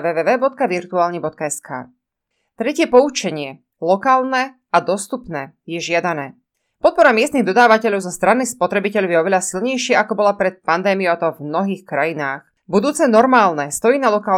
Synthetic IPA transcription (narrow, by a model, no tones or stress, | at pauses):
ʋɛːʋɛːʋɛːbɔt̪̚kaʋiɾt̪uaːlɲibɔt̪̚kaɛskʰa̰ː | t̪ɾɛcɪɛpɔut͡ʃɛɲɪɛ | lɔkaːlnɛ | ad̪ɔst̪upnɛːjɛʒɪad̪anɛː | pɔt̪̚pɔɾamɪɛst̪niɣd̪ɔd̪aːʋacɛʎɔʊzɔst̪ɾanːispɔt̪ɾɛbicɛʎɔʊjɛɔʋɛʎasilɲɛjʃɪɛʔakɔbɔlapɾɛt̪̚pand̪ɛːmiɔʊat̪ɔvmnɔɦiːxkɾajinaːx | bud̪uːt͡sɛnɔɾmaːlnɛst̪ɔjinalɔkaːl